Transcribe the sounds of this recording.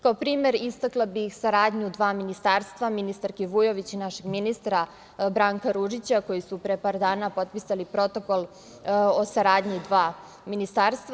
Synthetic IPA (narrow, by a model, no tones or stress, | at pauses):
kaopɾiːme̞ɾist̪aklˠabixsaɾaːd̪ɲud̪ʋaːminist̪aːɾst̪ʋaminist̪aɾkeʋujo̞ʋit͡ɕinaʃe̞ɡminist̪ɾa | bɾaːŋkaɾuʒit͡ɕako̞jisupɾepaːɾd̪aːnapo̞t̪̚pisalipɾo̞t̪o̞ko̞lˠ | o̞saɾaːd̪ɲid̪ʋaː | minist̪aːɾst̪ʋa